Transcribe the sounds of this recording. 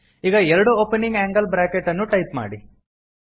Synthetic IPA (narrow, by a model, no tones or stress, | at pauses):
iːɡɐɛɾɐɽuoːpeniŋɡaːŋɡɐlbɾaːkeʈːɐnːuʈɐjpma̰ːɽi